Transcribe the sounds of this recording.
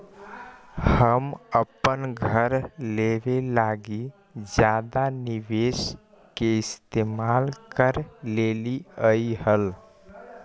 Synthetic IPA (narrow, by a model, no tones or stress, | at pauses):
həməpənɡʱəɾleːʋelaːɡi | d͡ʒjaːd̪anɪʋeːs | keɪst̪eːmaːlkəɾleːliəihəl